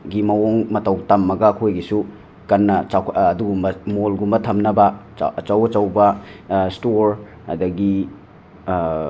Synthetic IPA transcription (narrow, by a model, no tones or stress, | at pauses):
ɡimɐwoŋmɐtɐwtɐmːɐɡɐːkʰojɡisu | kɐnːɐaːduɡumbɐmolɡumbɐtʰɐmnɐbɐ | t͡ʃɐwɐt͡ʃɐwbɐstoɾ | ɐ̰dɐɡi